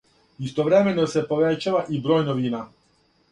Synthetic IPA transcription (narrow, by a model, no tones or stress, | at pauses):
ist̪oʋɾe̞me̞nose̞po̞ʋet͡ɕaʋaʔibɾo̞ːjnoʋiːna